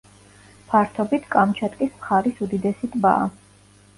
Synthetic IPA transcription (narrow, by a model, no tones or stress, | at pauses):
pʰaɾt̪ʰɔbit̪ʰkʼamt͡ʃʰat̪ʼkʼismχaɾisud̪id̪ɛsit̪ʼba̰a̰